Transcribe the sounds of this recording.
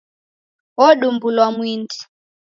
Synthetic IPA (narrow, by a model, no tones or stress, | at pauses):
wɔɗumbulwamwindi̥